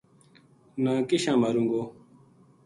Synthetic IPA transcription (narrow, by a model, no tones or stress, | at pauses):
nãːkiɕãːməɾũːŋɡoː